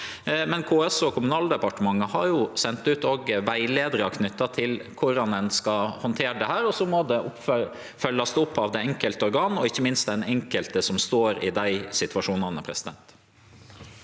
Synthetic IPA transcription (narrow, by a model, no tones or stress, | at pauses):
mɛnkʰoːɛsɔkʰʊmʉnɑːld̪ɛpɑʈəmɑŋːəhɑɾjʊsɛnt̪ʉːt̪ɔɡʋæɪleːd̪əɾəɑkʰnʏt̪ːɑt̪ʰɪlkʰʊɾɑnɛnskɑhɔnt̪ʰeːɖɛhæːɾɔsɔmɔd̪ɛʔʊf | fœlːɑsd̪ɛʊpːɑʋd̪ɛɛŋkəlt̪əɔɾɡɑːnɔɪçːəmɪnst̪d̪ɛnɛŋkəlt̪əsɔmst̪oːɾɪ̰d̪æɪsɪt̪ʋɑʂuːnɑnəpʰɾɛsɪd̪ɛ̰nt̪